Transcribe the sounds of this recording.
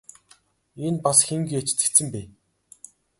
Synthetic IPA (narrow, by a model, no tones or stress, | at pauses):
enpasxeŋɡujat͡ɕt̪ɘ̥̆kt̪sɘ̆mpeː